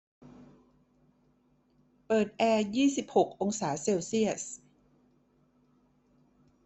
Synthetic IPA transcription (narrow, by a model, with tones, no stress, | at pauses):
pɤː˨˩t̪̚ʔɛː˧jiː˥˩si˨˩p̚ho˨˩k̚ʔo˧ŋsaː˩˦seː˧wsi˥˩əs